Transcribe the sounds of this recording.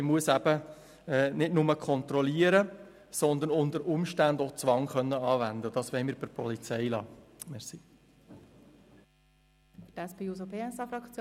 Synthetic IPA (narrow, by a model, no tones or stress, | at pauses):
ɪmuəsæb̥ə | ɛːnɪtnʊməkʰɔnt̪rɔliəɾə | sɔnd̪ənʊnd̪əɾʊmʃtændot͡sʋɑŋχœnːəɑːʋænd̪əd̥ɑsʋɛɪmiːɾbəpʰɔlit͡sɛɪlɑːmɛɾsi | dɛspeːuːzopʰeːɛsɑfɾɑkt͡sj